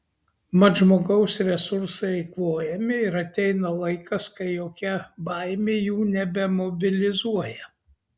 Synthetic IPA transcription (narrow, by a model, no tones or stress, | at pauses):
mɐʒmoːɡɐʊsɾʲɛsʊɾsɐɪɪkʋoːjɛmʲɪɪɾɐt̪ʲɛɪnɐlˠɐɪkɐskɐɪjoːkʲɛbɑɪmʲeːjuːnʲɛbʲɛmɔbʲɪlʲɪzuɔjɛ